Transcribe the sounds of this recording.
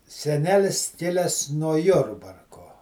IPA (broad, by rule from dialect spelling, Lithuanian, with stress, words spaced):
sʲɛˈnʲæːlʲɪs ˈkʲɪlʲɛs nuɔ ˈjʊrbɐrkoː